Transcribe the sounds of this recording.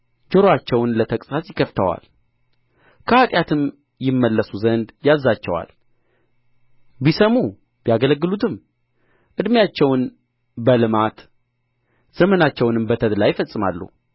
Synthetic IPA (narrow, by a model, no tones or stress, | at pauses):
d͡ʒəɾoat͡ʃːɛwnlət̪ʰəkʼsasjɪkʰəft̪ʰə̰wa̰l | kʰəat̪ʼjat̪ʰɨm | jɪmːəlːəsuzənd̪jazːat͡ʃːɛwa̰l | bisəmu | bijaɡələɡːɨlut̪ʰɨm | ʔɨd̪mjat͡ʃːɛwn | bəlɨmat̪ | z̥əmənat͡ʃːɛwnɨmbət̪ʰəd̪lajfəsʼɨma̰lːṵ